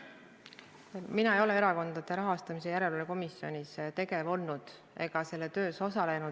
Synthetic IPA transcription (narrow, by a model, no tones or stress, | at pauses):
minɑejo̞le̞eɾɑko̞nd̪̥ɑd̪̥e̞ɾɑɦɑst̪ɑmise̞jæɾe̞loleko̞misːio̞nʲist̪e̞ɡe̞vo̞lnud̪̥ | e̞ɡ̥ɑse̞lːet̪ø̞ːso̞sɑle̞nu